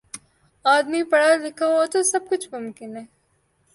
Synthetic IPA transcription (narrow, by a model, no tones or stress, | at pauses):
aːd̪mipɐɽalɪkʰaot̪osɐb̚kʊt͡ʃʰmʊmkɪnɦɛː